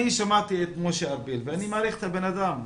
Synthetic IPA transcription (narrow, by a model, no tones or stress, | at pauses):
iʃamat̪iet̪moʃeabilveanimaːɾiχet̪abe̞nad̪am